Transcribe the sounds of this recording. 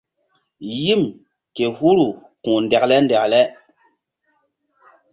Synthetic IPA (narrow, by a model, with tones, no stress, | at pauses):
ji˦m | ke˨hu˦ɾu˨kũ˨ndɛ˨klɛ˦ndɛ˨klɛ˦